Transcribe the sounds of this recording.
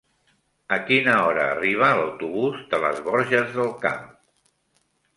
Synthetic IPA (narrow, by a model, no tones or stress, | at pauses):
əkinəɔɾəːriβ̞əːləwt̪uβuzd̪ələ̰zβɔɾʒəzðəlˠka̰m